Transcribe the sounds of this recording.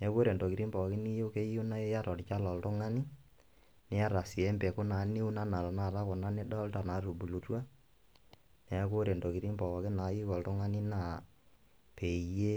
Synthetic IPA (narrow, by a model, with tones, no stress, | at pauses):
nɛ˨˦ko˦ɾɛ˨ndo˨ki˨ɾi˦mbɔ˨kɪ˦ni˦jo˦ke˦ju˦na˦ja˦ɾɔ˨ɾt͡ʃa˦lɔ˨ltʊ˦ŋa˦ni˦ | nɛ˦a˦ɾa˨si˨ɛ˦mbɛ˨kʊ˦na˨˦ni˦u˦na˦na˨la˨na˨ɾa˦kɔ˨na˦nɪ˦dɔ˦lta˨na˨ɾu˨bu˨lu˨twa˦ | nɛ˨a˦ko˦ɾɛ˨ndo˨ki˨ɾi˦mbɔ˨ɔ˨kɪ˦na˨˦ji˦kɔ˨ltʊ˦ŋa˦ni˦na˦˨ | pe˨je˦